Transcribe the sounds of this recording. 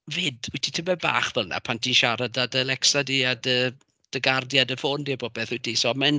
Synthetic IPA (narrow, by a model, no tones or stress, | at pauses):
vɪːdwɪtʰitʰəmɛba̰ːχvəlna̰pʰantʰinʃaɾadadəlɛksadiːadə | d̥əɡardjadəfoːndiːbɔb̥eːθɪtʰisɔmɛn